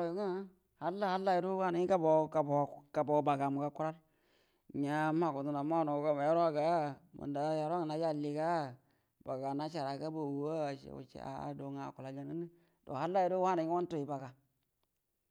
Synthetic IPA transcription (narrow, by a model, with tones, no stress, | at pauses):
a˦ɾo˨ji˦ŋa˦ | ha˦lːa˦ha˦lːa˦i˨ɾu˦wa˦na˨˦i˦ka˦bo˨ka˨ka˨bo˨˦ba˨ɡa˨mu˨ka˦ku˦ɾa˦ɾ | ɲa˨˦ma˦˨ku˨tu˨na˨ma˦˨no˨ɡa˦ba˨ja˦ɾa˦ɡa˨ma̰˨nda˨ja˨ɾa˦ŋa˨na˨˦d͡ʒa˦˨li˨ka˦ | ba˨ɡa˨na˦t͡ʃa˨ɾa˨ka˦bo˨wu˨wo̰˦˨˦a̰˨do˨ŋa˨ku˨la˨ɡa˨nə˦ni˦ | do̰˨ha˦lːa˦ji˨ɾu˦wa˦na˨ɲi˦wa˦n˦to˨ji˨ba˨ɡa˨